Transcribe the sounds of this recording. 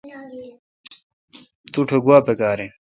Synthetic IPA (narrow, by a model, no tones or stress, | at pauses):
t̪uʈʰoɡuaːpekaːɾe